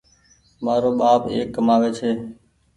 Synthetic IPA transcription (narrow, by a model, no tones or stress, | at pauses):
maːɾoːɓaːpḛːkːəmaːʋeːt͡ʃʰeː